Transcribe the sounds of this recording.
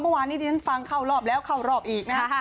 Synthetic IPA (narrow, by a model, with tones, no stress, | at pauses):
mɤ˥˩˨waː˧nːiː˦˥d̪iː˧˩a˦˥˩nfa˧ŋkʰa˥˩wɾɔː˥˩p̚lɛː˦˥wkʰa˥˩wɾɔː˥˩p̚ʔiː˨˩k̚na˦kʰa˥˧˥